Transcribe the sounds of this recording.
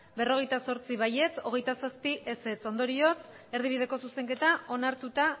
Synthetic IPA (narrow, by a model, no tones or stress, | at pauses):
be̞ro̞ɣ̞e̞jt̪aso̞ɾt͡siβaje̞t͡so̞ɣ̞e̞jt̪asaspiʔese̞t͡so̞nd̪o̞ɾio̞s | e̞ɾð̞iβið̞e̞ko̞suse̞ŋke̞t̪aʔo̞naɾt̪ut̪a